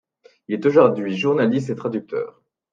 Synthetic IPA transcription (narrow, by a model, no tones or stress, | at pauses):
ilɛt̪oʒuʁd̪ɥiʒuʁnalist̪et̪χad̪yk̚t̪ʰœ̰ːʁ